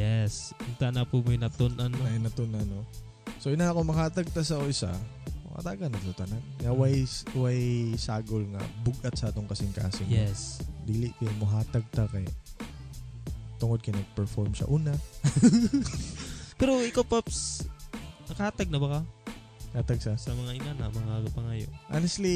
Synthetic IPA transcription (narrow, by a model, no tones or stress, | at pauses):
jɛsɪnt̪aʔnɐpʊmojnɐt̪ʊnʔɐnajnɐt̪onʔɐno | soʔɪnaɐkomɐhaːt̪ɐɡ̚t̪ɐsɐʔoʔɪsa̰mɐʔɐ̰t̪aɡɐnɐɡ̚t̪ot̪ɐnaɡŋɐwajwajsaːɡolŋɐ̰bʊɡʔɐt̪̚sad̪oŋkɐsɪŋka̰ːsɪŋɛsbiːlɪʔkɪmɐɦaːt̪ɐɡ̚t̪akɛ | t̪ʊŋod̪̚kɪnɐɡ̚pɛɹfoɹmʃɐ̰ʔuːnɐ | pɛɾoɪkawpaps | nɐkɐhaːt̪aɡ̚nɐbɐka | haːt̪aɡ̚sɐsɐmɐŋaʔɪnanɐmɐŋaɡpɐŋajo̰ʔa̰nɛst̪li